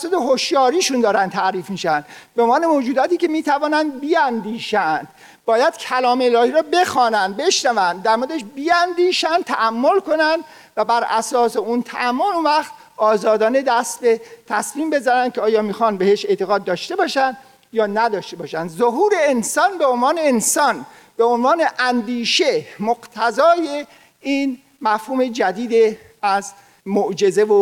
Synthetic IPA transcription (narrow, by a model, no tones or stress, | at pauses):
sot̪eɦoʃjɒːɾiːʃund̪ɒːɾæn̚t̪ʰæɾiːfmiːʃænd̪bemɒːne̞moːd͡ʒuːd̪ɒːt̪iːce̞miːt̪ʰævɒːnænd̪biænd̪iːʃænd̪̥ | bɒːjæd̪̥cʰælɒːmelɒːhiːɾɒːbe̞xɒːnænd̪̚be̞ʃnævænd̪d̪æɾmoɾd̪eeʃbiːænd̪iːʃænt̪ʰæʔæmːo̞lko̞nænd̪ | væbæɾæ̰sɒːseunt̪ʰæ̰ʔæmːolunvæxt̪̚ | ɒːzɒːd̪ɒːne̞d̪æst̪̚bet̪ʰæsmiːmbe̞zænænd̪kʲcʰeɒːjɒːmiːxɒnbe̞heʃe̞t̪ʰeɣɒːd̪̚ːɒːʃt̪e̞bɒːʃænd̪ | jɒːnæd̪ɒːʃt̪e̞bɒːʃænd̪zoɦuːɾe̞ːnsɒːnbeonvɒːne̞ːnsɒːn | b̥eonvɒːne̞ʔænd̪iːʃemoɡt̪ʰæzɒːje | iːn | mæfhuːme̞d͡ʒæd̪iːd̪e | æz | moʔd͡ʒe̞zevo